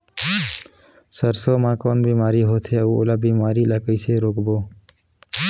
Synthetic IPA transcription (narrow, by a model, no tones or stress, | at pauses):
səɾsoːmãːkoːnbiːmaːɾiɦoːt̪ʰeuo̰ːlabiːmaːɾiːləkəiseɾoːkboː